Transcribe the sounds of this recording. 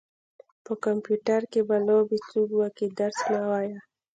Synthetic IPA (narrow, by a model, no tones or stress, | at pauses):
pəkampjuʈaɾkebalobit͡suɡwakid̪aɾsnawaja